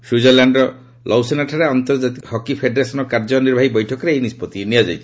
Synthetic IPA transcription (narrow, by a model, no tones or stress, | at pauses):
sud͡ʒɔɾlaɳɖɾɔ | lʔɔwsenaʈʰaɾeɔnt̪ɔɾd͡ʒat̪ikhɔkipʰeɖɾesɔnɔkaɾd͡ʒɔniɾbʱaɦibɔjʈʰɔkɔɾeejnispɔt̪iniad͡ʒajt͡ʃʰi̥